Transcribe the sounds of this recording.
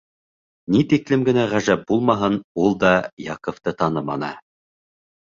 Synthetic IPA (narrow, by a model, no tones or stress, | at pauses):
nit̪iklɘmɡɘ̆næʁæʒæp̚bulˠmɑɦɤnulˠd̪ɑjɑqŏft̪ɤt̪ɑnɤmɑ̰nɤ̰